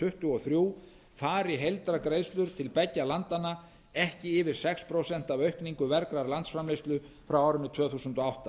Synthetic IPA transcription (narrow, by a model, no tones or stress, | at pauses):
ʏht̪ʏɔθɾjuː | faːɾɪɦejlt̪ɾakɾeːjðst̪lʏɾ̥t̪ʰɪlpɛcːalant̪anːa | ɛhcɪɪvɪɾ̥sɛkspʰɾosɛn̥t̪avœɥhkniŋkʏvɛɾkɾaɾlant̪sfɾamlejst̪lʏ | fɾawaːwɾɪnʏt̪ʰvœːθuːsʏnt̪ɔawht̪a